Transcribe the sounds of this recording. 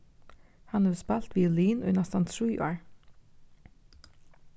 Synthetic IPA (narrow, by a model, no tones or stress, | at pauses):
hɑnəspælt̪ʋiːliːnʉ̰nɑst̪ɑnt̪ʰɹiːʔo̰ːɹ